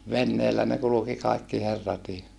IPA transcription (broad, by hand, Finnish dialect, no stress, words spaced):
ʋenːeːlːæ ne kuluki kɑikːi herːɑtiː